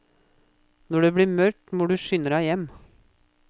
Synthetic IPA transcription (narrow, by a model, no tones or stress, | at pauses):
nɔɖeːbɽiːmœɾʈmoːɖʉːʃʏnəɾɑjɛm